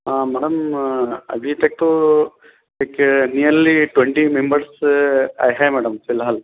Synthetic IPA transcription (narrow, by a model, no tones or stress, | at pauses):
amɛːɽɐm | ɐ̰bʱit̪ek̚ʈu | ekenijɐɾliʈʋeɳʈimembɐɾsɐ̰jɦajmɛːɽɐmfilɦɐl